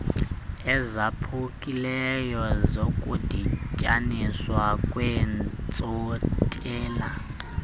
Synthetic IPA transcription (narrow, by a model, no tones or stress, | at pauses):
ɛzapʰukʼilɛjɔzokʼud̥ʱicʼaniswakʼwɛnt͡sʼotʼɛːla